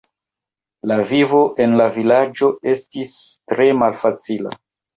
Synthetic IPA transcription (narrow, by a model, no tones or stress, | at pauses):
lavivo̞ʔe̞nlavilad͡ʒo̞estistɾe̞malfat͡sila̰